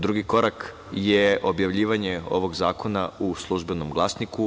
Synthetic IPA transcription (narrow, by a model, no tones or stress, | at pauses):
d̪ɾuɡiko̞ɾak | jeʔo̞bjaʋʎiːʋaɲeo̞̰ʋo̞ɡzaːko̞nauslˠuʒbenomɡlˠasniku